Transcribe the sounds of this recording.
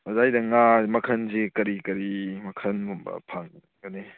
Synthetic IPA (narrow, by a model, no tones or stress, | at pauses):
ɐzajdɐŋamɐkʰɐnzikɐɾikɐɾimɐkʰɐnmumbɐ̰pʰaŋ | ɡɐne